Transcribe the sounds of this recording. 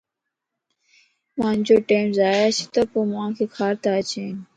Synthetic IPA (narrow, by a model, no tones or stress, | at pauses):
mãːnd͡ʑoːʈeːmzaːjaːsʰi̥t̪ɐpoːmãːkʰeːkʰaːɾt̪aːt͡ɕeːn